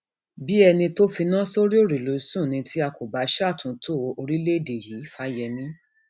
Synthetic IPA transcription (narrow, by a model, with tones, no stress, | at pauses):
bi˦ɛ˧nĩ˧to˦fi˧nã˦so˦ɾi˦o˦˨ɾi˨lo˨˦sũ˦˨nĩ˧tʰi˦a˧ko˨ba˨˦ʃɛ˦a˦˨tʰũ˨˦tʰo˦˨˧o˧ɾi˦le˦˨de˨ji˨˦fa˦jɛ˧mĩ˦